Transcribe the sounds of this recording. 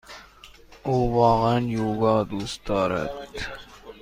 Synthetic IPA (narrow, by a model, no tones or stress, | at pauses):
oːʋɑːʁanjoːɡɑːd̪ust̪ɑːɾɛ̰t̪